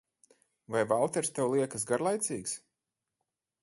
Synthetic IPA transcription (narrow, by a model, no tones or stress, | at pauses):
vajvalˠt̪ɛɾst̪ɛwlˠiɛkəs̬ɡaɾlˠajt̪siːks